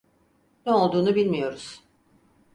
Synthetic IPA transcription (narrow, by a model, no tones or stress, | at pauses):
nɛolˠd̪uːnubilʲmijo̞ɾuz̥